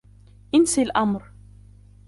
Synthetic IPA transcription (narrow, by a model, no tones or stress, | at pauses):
ʔɪnsilʔamɾ